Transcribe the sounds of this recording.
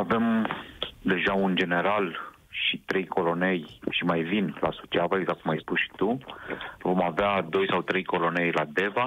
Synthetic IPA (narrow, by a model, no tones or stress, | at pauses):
ave̞m | d̪e̞ʒaund͡ʒe̞ne̞ɾal | ʃit̪ɾe̞jkʰo̞lo̞ne̞jʃimajvinla̰sut͡ʃavaeɡzakkumajspusʃi̥t̪u | vo̞mavead̪o̞jsawt̪ɾe̞jko̞lo̞ne̞jlad̪e̞va